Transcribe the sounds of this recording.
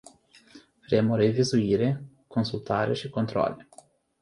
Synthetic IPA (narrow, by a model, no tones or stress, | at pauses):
faɾemʊɾevizuiːɾe | konsult̪aːɾḛʃɪkont̪ɾɔ̰lːi